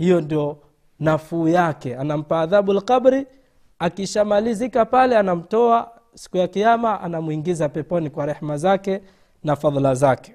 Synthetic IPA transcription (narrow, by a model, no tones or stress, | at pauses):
hijɔndiɔ | nafuːjakɛanam̩paːðaɓulqabɾi | akiʃamalizikapalɛanam̩tɔa | si̥kujakijamaʔa̰namuiŋɡizapɛpɔnikwaɾɛhmazakɛ | nafaðˤlazakɛ̥